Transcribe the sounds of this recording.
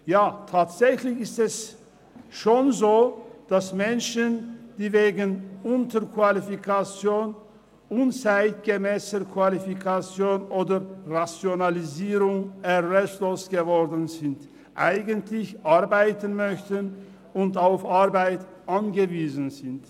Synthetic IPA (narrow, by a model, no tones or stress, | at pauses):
jaːtʰaːtz̥ɛçlɪçɪstɛs | ʃoːnzoːd̥asmɛnʃənd̥iːveːɡənʔʊntəkv̥alifikʰat͡sjoːn | ʔʊnt͡saɪt̚ɡ̥əmɛːsəkv̥alifikʰat͡sjoːnʔoːdɐʁat͡sjonaliziːʁʊŋɛʁɛstloːsɡ̥əvɔʁdən̩zɪnt | ʔa̰ɪɡəntlɪçʔaɐbaɪtənmœçtən | ʊntaʊfʔaʁbaɪt | ʔanɡəviːzən̩zɪnt